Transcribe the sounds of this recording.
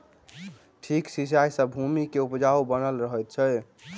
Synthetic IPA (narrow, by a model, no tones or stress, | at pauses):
ʈʰiksisajsəbʱumikeupd͡ʒaubənəlɾəɦəjt̪̚t͡ʃʰɛ